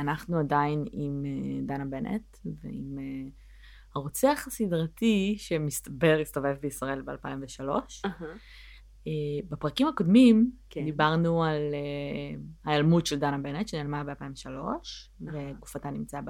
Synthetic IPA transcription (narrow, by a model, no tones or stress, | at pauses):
anaχnuadainimed̪anabenʔḛtvḛḭme | haʁot͡seaχasidʁatiʃemist̪abe̞ʁist̪o̞ve̞vbeisʁae̞lbea̰lpaimveʃalo̞̰ʃa | ebepʁakimhako̞dmim | d̪ibaʁnuale | hailmutʃeld̪anabe̞net̪ʃenelmabealpaiɱveʃalo̞ʃveɡufatanimt͡saab